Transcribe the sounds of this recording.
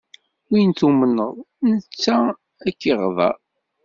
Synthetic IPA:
wint̪umənːəðˤ | nət͡sːæ | ækːiʁðˤɑ̰

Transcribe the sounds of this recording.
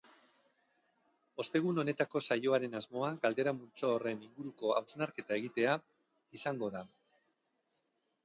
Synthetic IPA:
o̞st̪e̞ɣ̞uno̞ne̞t̪ako̞sajo̞aɾe̞nazmo̞aɡald̪e̞ɾamult͡soːre̞niŋɡuɾuko̞awsnaɾke̞t̪ae̞ɣ̞it̪e̞a | isaŋɡo̞ða

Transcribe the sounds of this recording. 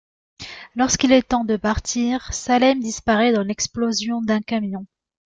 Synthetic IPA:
lɔʁskilɛt̪ɑ̃d̪əpaʁt̪ʰiːʁsalɛmd̪ispaʁɛd̪ɑ̃lɛksplozjɔ̃d̪ɛ̃kamjɔ̃

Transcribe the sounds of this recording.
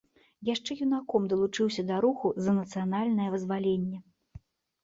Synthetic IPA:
jaʂt͡ʂɛjunakɔmd̪ɐlˠut͡ʂɨwsʲɐd̪ɐɾuxuzɐnɐt̪sɨjanalʲnɐjɐvɨzvalʲenʲːɛ

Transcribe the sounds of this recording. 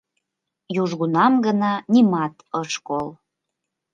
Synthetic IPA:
juʒɣunɑmɡənɑnimɑt̪ɤʃkol

